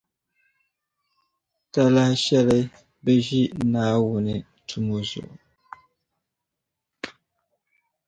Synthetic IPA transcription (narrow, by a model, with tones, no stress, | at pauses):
ta˦la˦ʃɛ˦lɛ˦ | bə˦ʒi˦ʔnaː˦wu˨nɨ˨ | tʰu˨mo˦zʊ̰˨ʔʊ˨